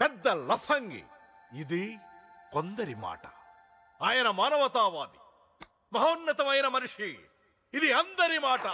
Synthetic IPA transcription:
pɛd̪ːɐlɐpʰɐŋɡḭ | id̪i | kond̪ɐɾima̰ːʈɐ̥ | aːjɐnɐmaːnɐʋɐt̪aːʋaːd̪i | mɐɦɐːnːɐt̪ɐʋɐjɐnɐmɐnuʂi | id̪iɐnd̪ɐɾimaːʈɐ

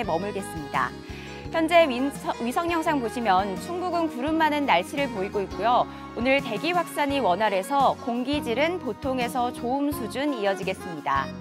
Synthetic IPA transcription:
emʌmɯɭdwe̞s͈ɯmɲida̰ | çjʌnd͡ʑe̞ɥisʰʌŋɲjʌŋsʰaŋpoɕʰimjʌnt͡ɕʰuŋbuɡɯnkuɾɯmːanɯnːaɭɕʰiɾɯɭpoiɡoik̚k͈ujo | onɯɭte̞ɡiɸwak̚s͈aɲiwʌnɦaɾe̞sʰʌkoŋɡid͡ʑiɾɯnpotʰoŋe̞sʰʌt͡ɕoɯmsʰud͡ʑunijʌd͡ʑiɡe̞s͈ɯmɲida̰

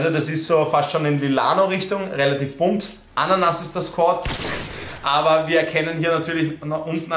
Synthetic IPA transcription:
zodasɪstsoːfastʃoːnɪnlila̰ːnoʁɪçtʊŋʁelatiːfb̥ʊnt | ʔanɐnasɪst̚d̥ɐskʰɔɐt | ʔaːbɐviːɐɛɐkʰɛnənhiːɐnatʰyːɐlɪçnɔʔʊntn̩a

